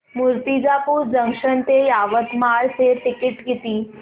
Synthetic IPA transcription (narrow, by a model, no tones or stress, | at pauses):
muɾt̪id͡zapuːd͡zəŋkʂənt̪ejaʋət̪maɭseʈikiʈɡit̪iː